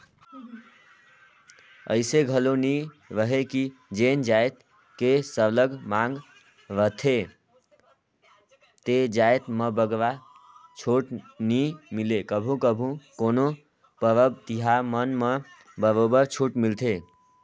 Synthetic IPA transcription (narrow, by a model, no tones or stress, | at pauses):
ə̰ɪseɡʱəloni | ɾəɦekid͡ʒend͡ʒaet̪ | kesələɡmaŋɡ | ɾət̪ʰe | t̪ed͡ʒajt̪məbəɡʋa | t͡ʃʰoʈnimilekəbʱũkəbʱũkono | pəɾəb̚t̪iɦamənme | bəɾobəɾt͡ʃʰuʈmilt̪ʰe